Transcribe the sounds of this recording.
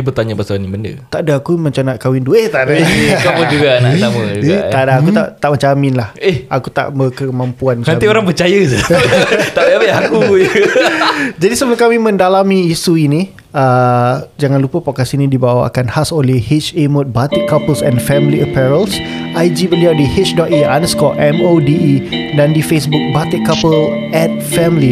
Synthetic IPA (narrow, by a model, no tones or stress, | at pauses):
ibət̪aɲabasaanibəndə̰t̪aʔdaakumə̃ɲt͡ʃanaʔkawindueht̪adakaməd͡ʒuɡanaaməd͡ʒut̪adaakkut̪aʔt̪aʔmət͡ʃamɪ̃nlahehʔakut̪a̰ʔbəkəmãmpuanmaaioɾaŋpərt͡ʃajəsət̪aʔeapeaku | d͡ʒadisəbəkamimə̃ndalamiːsuinĩ | əd͡ʒaŋãnlupəpɔkasinĩdibawaa̰kanhasolehit͡ʃemõt̪̚bat̪ikapəlsɛnfɛmliəpɛɾəlsʔajd͡ʒibəliawdihit͡ʃdɔt̪̚ia̰nəskɔlʔɛmodiidandifesbuk̚bat̪iʔkːapəl | ɛt̪̚fɛmli